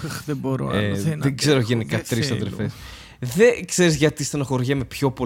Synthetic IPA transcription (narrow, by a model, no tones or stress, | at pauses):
ðeboɾo̰eðeɡze̞ɾoʝenikɐt̪ɾisɐðɾefes | ðekse̞ɾizʝɐt̪ist̪ɐnɐxo̞ɾʝɐme̞pço̞po